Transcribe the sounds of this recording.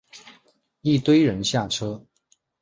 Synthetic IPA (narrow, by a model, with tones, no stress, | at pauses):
i˥˩t̪we˥ɪɻə˧˥nɕja˥˩ʈ͡ʂʰɤ˥